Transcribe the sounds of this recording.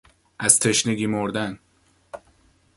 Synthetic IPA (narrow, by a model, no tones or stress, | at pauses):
ʔæz̥t̪ʰe̞ʃneɡimoɾd̪æn